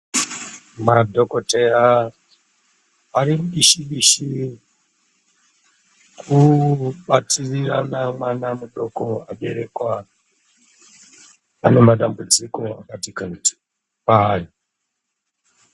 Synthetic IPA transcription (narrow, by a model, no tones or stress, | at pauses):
madʱokotea | aɾimuɗiʃiɓiʃi | kʰuɓatʰiriranamwanamuɗokoaɓe̞ɾekwa | ane̞maɗambud͡ziko̞a̰katikanti̥ | paːji